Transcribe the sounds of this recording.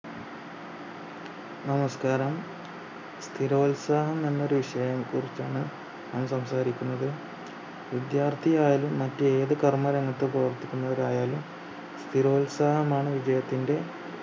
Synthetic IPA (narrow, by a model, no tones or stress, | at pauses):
nɐmɐskaːɾɐm | st̪ʰiɾo̞ːlsaːhɐmenːo̞ɾuʋiʂɐjɐmkurit͡ɕːaːɳɨ | nɐmsɐmsaːɾikʲːunːɐðɨ | ʋid̪jaːrt̪ʰijaːjalumːɐtːɨeːðɨkɐrmɐɾɐŋːɐt̪ːeprɐʋɐrt̪ːikʲːunːɐʋɐɾaːjaːlum | st̪ʰiɾo̞ːlsaːhɐmaːɳɨʋid͡ʑɐjɐt̪ːinde̞